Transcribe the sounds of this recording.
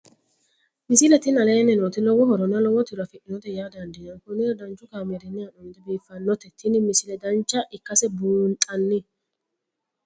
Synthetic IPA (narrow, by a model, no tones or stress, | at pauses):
mɪsɪlɛt̪ɪnɐleːnɛnoːt̪ɪlɔwɔhɔɾɔnːɐlɔwɔt̪ɪɾɐfɪʔɪnɔt̪ɛjaːd̪ɐnd̪ɪnɐnkʊnːɪɐd̪ɐnt͡ʃːʊkaːmɛd̪ɛnːɪɐnɔnd̪ɛbiːfːɐnːɔt̪ɛt̪ɪnɪmɪsɪlɛd̪ɐnt͡ʃːɐʔɪkːɐsɛbuːnt̪ʼɐnːɪ